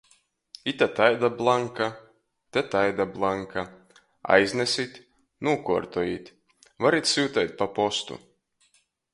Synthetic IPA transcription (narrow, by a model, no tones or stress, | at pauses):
it̪ʲat̪ajd̪ablˠaŋka | t̪ʲɛt̪ajd̪ablˠaŋkʰa | a̰jzʲnʲesʲit̪ʲ | nuɔkuɔɾt̪ujit̪ʲ | vaɾit̪ʲsuwt̪ɛjt̪̚ʲpapɔst̪ṵ